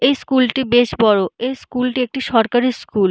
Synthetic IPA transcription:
ejskulʈibeʃbɔɾoejskulʈiek̚ʈiʃɔɾkaɾiskul

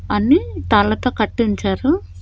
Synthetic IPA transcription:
ɐnit̪aːɭːɐt̪oːkɐʈːiɲt͡ʃaːɾu

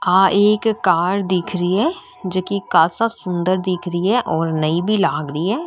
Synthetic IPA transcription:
aːʔeːkːaːɾd̪ɪːkʰɾəiɦɛ | d͡ʒəkikaːsasʊ̃nd̪əɾd̪iːkʰɾəiɦɛʔɔːɾnəibʱilaːɡɾəiɦɛː

